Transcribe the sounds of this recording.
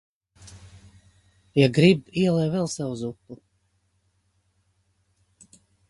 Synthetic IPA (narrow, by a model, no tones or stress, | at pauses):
jaɡɾibiɛlˠɛjvɛlˠsɛwuzut̪u